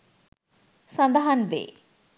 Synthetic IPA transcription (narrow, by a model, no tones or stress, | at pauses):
sɐnd̪ɐɦɐnʋḛː